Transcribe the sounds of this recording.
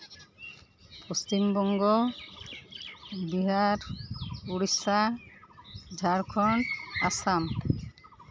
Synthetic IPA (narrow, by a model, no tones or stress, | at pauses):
post͡ʃimbɔŋɡo | biɦaɾuɽisa | d͡ʒʱaɾkʰɔnasam